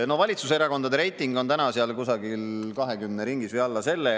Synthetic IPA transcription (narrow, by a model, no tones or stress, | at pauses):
no̞vɑlʲit̪suseɾɑko̞nd̪ɑd̪eɾe̞jt̪ˑːiŋɡo̞nt̪ænɑseɑlkusɑɡilkɑɦe̞kymneɾiŋɡisvijɑlːɑse̞lːe